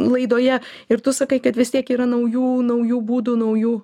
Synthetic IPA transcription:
lˠɐɪd̪oːjɛ | ɪɾt̪ʊsɐkɐɪkɐt̪ʋʲɪst̪ʲiɛkiːɾɐnɐʊjuːnɐʊjuːbuːd̪uːnɐʊjuː

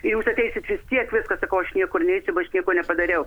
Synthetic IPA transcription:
ɪjuːsɐtʲɛɪsʲɪt̪ʋʲɪst̪ʲiɛkʋʲɪskɐsɐkɐʊɐʃnʲiɛkoːrnʲɛɛɪsʲʊbɐɐʃnʲiɛkoːnʲɛpɐd̪ɐɾʲɛʊ

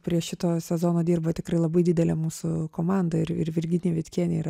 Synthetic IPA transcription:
pʲɾʲiɛʃʲɪt̪oːsʲɛzoːnoːd̪ʲiːrbɐt̪ʲɪkɾɐɪlˠɐbɐɪdʲɪd̪ʲɛlʲɛmuːsʊkoːmɑnd̪ɐɪɾɪ̰rʋʲɪɾʲɡʲɪnʲiːʋʲɛt̪ʲkʲiɛnʲeiːɾ

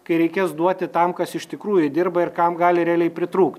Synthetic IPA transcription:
kɐɪɾʲɛɪkʲeːsd̪uɔt̪ʲɪt̪ɐmkɐsɪʃʲt̪ʲɪkɾuːjʊd̪ʲɪrbɐɪrkɐmɡɑːlʲɪɾʲɛælʲɛɪpʲɾʲɪt̪ɾuːkt̪ʲ

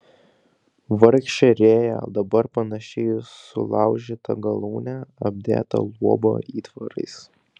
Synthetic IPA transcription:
ʋɐɾʲkʃʲt͡ʃʲɛɾʲeːjɛ̰d̪ɐbɐɾpɐnɐʃʲɛɪsʊ̰lˠɑˑʊʒʲit̪ɐ̰ɡɐlˠuːnʲæɐbʲd̪ʲḛːt̪ɐ̰lˠuɔbo̰ːiːt̪ʋɐɾɐ̰ɪs

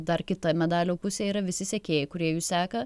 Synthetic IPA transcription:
d̪ɐrkʲɪt̪ɐmʲɛd̪ɑːlʲoːpʊsʲɛːiːɾɐʋʲɪsʲɪsʲɛkʲeːjɛkʊɾʲiɛjuːssʲæːkɐ

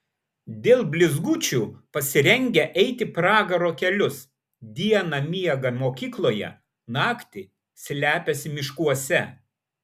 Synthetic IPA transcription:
d̪ʲeːlˠbʲlʲɪzɡuːt͡ʃʲuːpɐsʲɪɾʲɛŋʲɡʲɛʔɛɪt̪ʲɪpɾɑːɡɐɾoːkʲɛlʲʊs | d̪ʲiɛnɐmʲiɛɡɐmoːkʲiːklˠoːjɛ̰ | nɑːkt̪ʲɪ | sʲlʲæːpʲɛsʲɪmʲɪʃkuɔsʲɛ

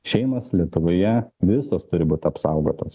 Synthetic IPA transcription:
ʃʲɛɪmɐslʲiɛt̪ʊʋoːjɛʋʲɪsoːst̪ʊɾʲɪbuːt̪ʲɪɐpsɑʊɡoːt̪os

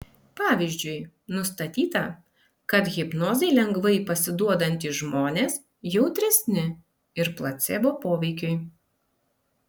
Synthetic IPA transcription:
pɑːʋʲizʲd͡ʒʲʊɪ | nʊst̪ɐt̪ʲiːt̪ɐ | kɐt̪ɣʲɪpnoːzʲɛɪlʲɛŋɡʋɐɪpɐsʲɪd̪uɔd̪ɐnʲt̪ʲiːʒmoːnʲeːs | jɛʊt̪ʲɾʲɛsʲnʲɪ | ɪɾplˠɐt̪sʲɛːboːpoːʋʲɛɪkʲʊɪ

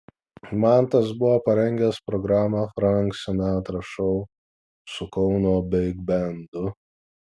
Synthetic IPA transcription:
mɑˑnt̪ɐsbʊʋopɐɾʲɛŋʲɡʲɛspɾɔɡɾɑːmɑfɾaŋksʲɛnʲat̪ɾɐʃɔʊ | sʊkɔʊnoːbʲɛɪɡbʲɛnd̪ʊ

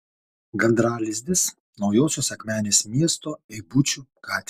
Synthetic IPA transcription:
ɡɐnd̪ɾɑːlʲɪzʲd̪ʲɪs | nɒʊjoːsʲoːsɐkmʲæːnʲeːsmʲiɛst̪oːɛɪbʊt͡ʃʲukɑːt̪ʲ

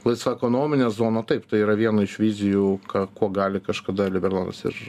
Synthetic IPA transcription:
lˠɐɪsʋɐɛkoːnoːmʲɪnʲɛzoːnɐt̪ɐɪpt̪ɐɪiːɾɐʋʲiɛnɐɪʃʋʲiːzʲɪjukɑːkuɔɡɑːlʲɪkɐʃkɐd̪ɐlʲɪbʲɛrlˠoːnɐ̰sɪ̰ɾ

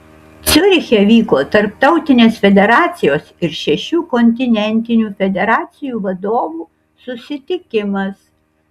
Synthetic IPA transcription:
t̪sʲʊɾʲxʲɛʋʲiːkoːt̪ɐɾpt̪ɒʊt̪ʲɪnʲeːsfʲɛd̪ʲɛɾɑːt̪sʲɪjoːsɪɾʃʲɛʃʲuːkɔnʲt̪ʲɪnʲɛnʲt̪ʲɪnʲuːfʲɛd̪ʲɛɾɑːt̪sʲɪjuːʋɐd̪oːʋuː | sʊsʲɪt̪ʲɪkʲɪmɐs

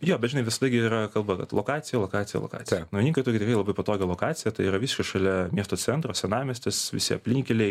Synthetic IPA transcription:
joːbʲɛt̪ʒʲɪnɐɪʋʲɪsɐd̪ɐɡʲɪiːɾɐkɐlˠbɐkɐ̰t̪lˠokɑːt̪sʲɪjɛlˠoːkɑːt̪ʲɪjɛ̰lˠo̰ːkɑ̰ːtt͡s̪ʲɪjɛnoʋʲɪnʲiːŋkɐtʊːkʲɪt̪ʲɪkrɐɪlˠɐbɐɪpɐt̪oːɡʲɛlˠoːkɑːt̪t͡ssʲɪjɛt̪ɐɪiːɾɐʋʲisɪ̥ʃkʲɛʃɐlʲɛmʲiɛst̪oːt͡s̪ʲɛnt̪ɾoːsʲɛnɑːmʲɛsʲt̪ʲɪsʋʲɪ̰sʲɪɐpʲlʲiŋʲkʲɛlʲɛɪ

